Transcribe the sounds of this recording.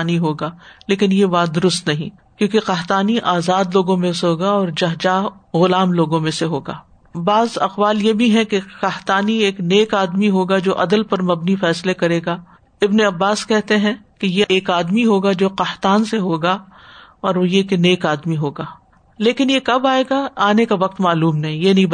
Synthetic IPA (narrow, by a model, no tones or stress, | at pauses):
niɦoːɡaːleːkɪnjeʋaːd̪ʊɾʊst̪nɐɦĩ | kjõːkeqaɦt̪aːniʔaːzaːd̪loːɡõmẽseɦoːɡaɔːɾd͡ʒɐɦd͡ʒaːɦɣʊlaːmloːɡõmẽseɦoːɡaː | baːzɐqʋaːljebʱiɦɛ̃keqɐɦt̪aːnieːkneːkaːd̪miɦoːɡad͡ʒoːʔɐd̪əlpɐɾmɐbnifɛːslekɐɾeːɡaː | ɪbneɐbːaːskɛɦt̪eɦɛ̃kejeʔeːkaːd̪miɦoːɡad͡ʒoːqaht̪aːnseɦoːɡa | ɔːɾojekeneːkaːd̪miɦoːɡaː | leːkɪnjekɐbaːeːɡaaːnekaʋɐq̚t̪maːluːmnɐɦĩjenɐɦĩb